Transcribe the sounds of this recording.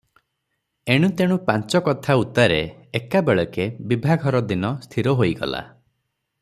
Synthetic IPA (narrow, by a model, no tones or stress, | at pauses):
eɽ̃ut̪eɽ̃upant͡ʃɔkɔt̪ʰaut̪aɾeekabeɭɔkebibʱaɡʱɔɾɔd̪inɔst̪ʰiɾɔɦojɡɔ̰la̰